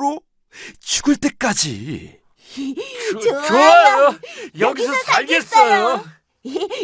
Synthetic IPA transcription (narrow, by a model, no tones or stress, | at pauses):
ɾo | t͡ɕuɡɯɭt͈e̞k͈ad͡ʑḭ | oajojʌɡisʰʌsʰaʎɡe̞s͈ʌjo